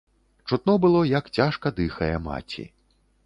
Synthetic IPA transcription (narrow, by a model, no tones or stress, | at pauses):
t͡ʂut̪̚nɔbɨlˠɔjɐkt͡sʲaʂkɐd̪ɨxɐjɛma̰t͡sʲḭ